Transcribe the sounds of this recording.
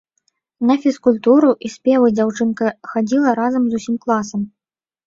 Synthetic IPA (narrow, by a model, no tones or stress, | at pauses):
nɐfʲiskulʲt̪uɾuʔisʲpʲɛvɨd͡zʲawt͡ʂɨnkɐxad͡zʲilˠɐɾazɐmzusʲimklˠasɐm